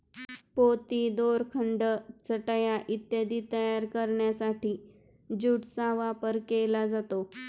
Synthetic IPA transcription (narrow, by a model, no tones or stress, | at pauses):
pot̪id̪oɾkʰəɳɖət͡səʈajaʔit̪jad̪iːt̪əjaɾkəɾɳjasaʈiː | d͡ʑuːʈsaʋapəɾkelad͡zat̪o